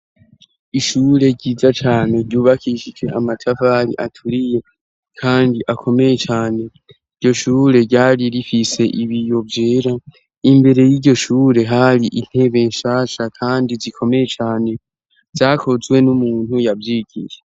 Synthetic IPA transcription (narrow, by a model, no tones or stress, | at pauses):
iʃuɾe̞ɟiːzat͡ʃaːne̞ɾɟuːβakʰiʃid͡ʒe̞amatʰavaɾḭʔatʰuɾije̞ | kʰaːndiʔakʰo̞me̞je̞t͡ʃaːne̞ | iɾɟo̞ʃuːɾe̞ɾɟaːɾiɾifise̞ʔiβijo̞vjeːɾa | imbe̞ɾe̞jiɟo̞ʃuːɾe̞ɦaɾiʔin̥he̞βe̞ːɲʃaːʃakʰaːndizikʰo̞me̞je̞t͡ʃaːne̞ | z̥aːkʰo̞zwe̞numuːn̥hujavjiːɡ̥ije